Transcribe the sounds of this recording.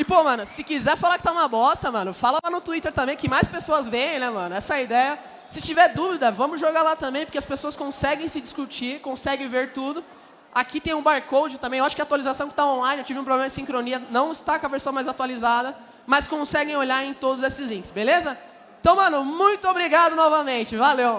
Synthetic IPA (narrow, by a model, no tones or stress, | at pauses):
ɪpomɐ̃nʊsɪkizɛɾfalakɪ̥t̪aũmɐbɔst̪ɐmɐ̃nʊfalɐlanʊt̪uit̪eɾt̪ɐ̃mbẽj̃kɪmajspesoɐzvẽj̃ẽj̃nɛmɐ̃nʊɛsɐid̪ɛjɐ | sɪt͡ʃivɛɾd̪uvid̪ɐvɐ̃mʊzʒoɡalat̪ɐ̃mbẽj̃poɾkeɐspesoɐskõsɛɡẽj̃sɪd͡ʒiskut͡ʃiɾkõsɛɡẽveɾt̪ud̪ʊ | akit̪ẽj̃ʊ̃baɾkowd͡ʒɪt̪ɐ̃mẽewaʃʊ̥kɪat̪ualizasɐ̃w̃kɪ̥t̪aõlajnewt͡ʃivɪũpɾoblẽmɐd͡ʒɪsĩŋkɾoniɐnɐ̃w̃ɪst̪akõɐveɾsɐ̃w̃majzat̪ualizad̪ɐ | mɐskõsɛɡẽj̃oʎaɾẽj̃t̪od̪ʊzesɪzlĩkɪsbelezɐ | ẽt̪ɐ̃w̃mɐ̃nʊmũj̃t̪ʊobɾiɡad̪ʊnɔvɐmẽt͡ʃɪvalew